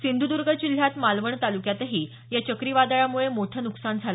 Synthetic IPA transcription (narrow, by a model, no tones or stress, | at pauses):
sind̪ud̪uɾɡʱət͡ɕil̤jat̪malʋəɳt̪alukjat̪ɦiː | jat͡ɕəkɾiʋad̪aɭamuɭemoʈʰənuksand͡zʱala